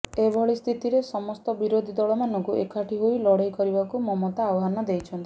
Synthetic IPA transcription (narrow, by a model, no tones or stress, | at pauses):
ebʱɔɭist̪ʰit̪iɾesɔmɔst̪ɔbiɾod̪ʱid̪ɔɭɔmanɔŋkuʔekʰaʈʰiɦojlɔɽejkɔɾibakumɔmɔt̪aːwɦanɔd̪ejt͡ʃʰɔnt̪i̥